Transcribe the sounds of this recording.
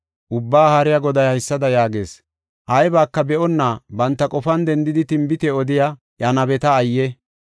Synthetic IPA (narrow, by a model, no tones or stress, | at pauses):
ʔʊbːaːhaːɾɪjaɡɔd̪ɐjɐɪsːɐd̪ɐjaːɡḛːs | ʔɐjbaːkːɐbɛʔɔnːabɐnt̪ːɐkʼɔfɐnd̪ɛnd̪ɪd̪ɪt̪ɪmbɪt̪ɛɔd̪ɪja | jɐnɐbɛt̪ɐːjːɛ